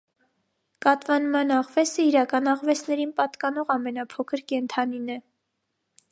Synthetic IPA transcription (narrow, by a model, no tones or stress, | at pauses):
kɑt̪vɑnmɑnɑʁvɛsəiɾɑkɑnɑʁvɛsnɛɾinpɑt̪kɑnɔʁɑmɛnɑpʰɔkʰəɾkɛnt̪ʰɑninɛ